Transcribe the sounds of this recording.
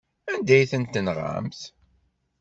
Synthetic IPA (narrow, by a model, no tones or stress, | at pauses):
ænd̪æjθənt̪ənʁa̰mθ